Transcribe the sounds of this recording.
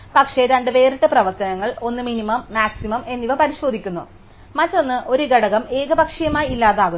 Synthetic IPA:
pɐkʂeɾaːɳɖɨʋe̞ːriʈːɨprɐʋɐt̪ɐnɐŋːɐɭo̞nːɨminimɐmːaːksimɐmʔe̞nːiʋɐpɐɾiɕo̞ːd̪ʱikʲːunːṵ | mɐtːo̞nːɨʔo̞ɾuɡɐɽɐɣɐme̞ːɡɐbɐkʂɐjɐmaːjilːaːðaːɣu

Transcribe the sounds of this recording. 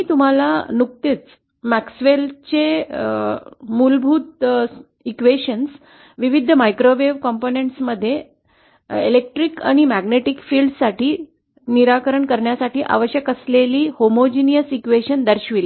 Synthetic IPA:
miːt̪um̤alanuk̚t̪it͡s | mæksʋelt͡ɕe | mulbʱuːt̪̚ | ikʋeɕəns | ʋiʋid̪ʱːəmajkɾoʋeʋkɔmponeɳʈsməd̪ʱːje | elek̚ʈɾika̰ɽ̃imæɡneʈikfiːlɖsaʈʰiː | niɾakəɾəɳkəɾɳjasaʈiːʔa̰ʋəɕjəkəsleliːhomod͡ʑinijəsikʋeɕənd̪əɾɕʋile

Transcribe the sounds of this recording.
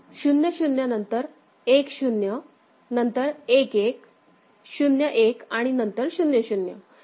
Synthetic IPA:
ɕunjəɕunjanənt̪əɾ | ekɕunjə | nənt̪əɾekek | ɕunjəʔekaɽ̃inənt̪əɾɕunjəɕunjə̰

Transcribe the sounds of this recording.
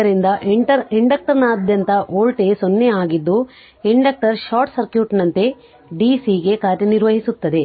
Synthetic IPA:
ɐɾind̪ɐʔiʈɐɾiɳɖɐk̚ʈɐɾnaːd̪ʱjɐnt̪ɐʔoːlʈesonːeaːɡid̪ːu | iɳɖɐk̚ʈɐɾʃaːɾʈsɐɾkjuːʈnɐnt̪e̞ | ɖiːsiːɡe̞kaːɾjɐniɾʋɐɦisut̪ːɐd̪e̞

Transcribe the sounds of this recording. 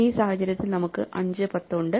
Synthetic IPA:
iːsaːhɐt͡ɕːɐɾjɐt̪ːilnɐmukːɨʔɐɲd͡ʑɨpɐt̪ːoɳɖɨ

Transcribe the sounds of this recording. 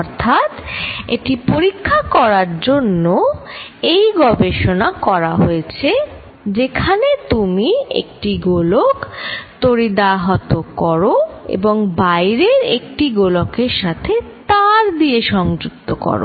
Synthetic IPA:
ɔɾt̪ʰat̪eʈipoɾikʰːakɔɾaɾd͡ʑonːo | ejɡɔbeʃonakɔɾaɦojet͡ɕʰe | d͡ʑekʰanet̪umiḛk̚ʈiɡolokt̪oɾid̪aɦat̪okɔɾoḛboŋbajɾeɾḛk̚ʈiɡolokeɾʃat̪ʰet̪aɾd̪ieʃɔŋd͡ʑuk̚t̪okɔ̰ɾo̰

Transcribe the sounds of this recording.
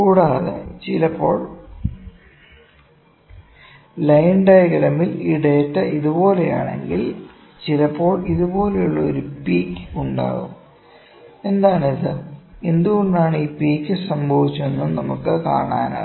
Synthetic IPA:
kuːɽaːðḛt͡ɕilɐpːo̞ːɭ | lɐjɳɖɐjɣɐɾɐmiliɽeːtːɐʔiðubo̞ːleja̰ːɳe̞̰ŋɡil | t͡ɕilɐpːo̞ːɭiðubo̞ːlejuɭːɐo̞̰ɾupiːkːuɳɖa̰ːɣṵm | e̞nd̪aːnɐðɨe̞nd̪uɣoɳɖaːɳiːpiːkːɨsɐmbʱɐʋit͡ɕːumenːumnɐmukːɨka̰ːɳa̰ːnɐ̰

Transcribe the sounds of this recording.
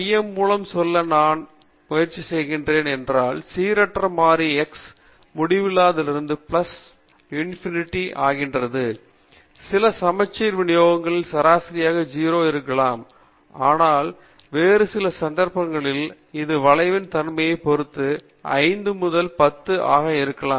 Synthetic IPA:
jɐmːuːlɐmsɔlːɐnaːn | mʊjɐɾt͡ʃːisɛjɣɪndreːnɛndraːlsiːɾɐʈːrɐmaːɾiɛks | mʊɽɪʋɪlaːðɪlɪɾɯnd̪ɯplɐs | junɪfɪnɪʈːiʔaːɣɪndrɐðɯ | sɪlɐsɐmɐt͡ʃːɐɪɾʋɪɳɪjoːɣɐŋɡɐɭɪlsɐɾaːsɐɾɪjaːɣɐd͡ʒiːɾoːɪɾɯkːɐɭaːm | aːnaːl | ʋeːɾɯsɪlɐsɐnd̪ɐɾpɐŋɡɐɭɪl | ɪðɯʋɐɭɐɪʋɪnt̪ɐnmɐjɐɪpɔɾɯt̪ːɯ | ɐ̰ɪnd̪ɯmʊðɐlpɐt̪ːɯʔa̰ːɣɐɪɾɯkːɐɭaː

